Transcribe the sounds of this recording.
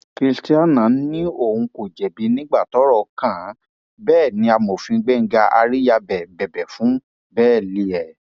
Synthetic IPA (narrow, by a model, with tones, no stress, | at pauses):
ki˧sti˦a˦nã˨˦nĩ˦o˦˨ũ˧ko˨d͡ʒɛ˨bi˨˧nĩ˦ɡ͡ba˦˨tɔ˨˦ɾɔ˦˨kã˦˨˦ | bɛː˦˨nĩ˧a˧mo˨fĩ˧ɡ͡bɛ˦˨ŋ̩˦ɡa˧ʔa̰˧ɾi˦ja˧bɛ˨bɛ˨bɛ˨fũ˨˦ | bɛː˦˨li˧ɛ˨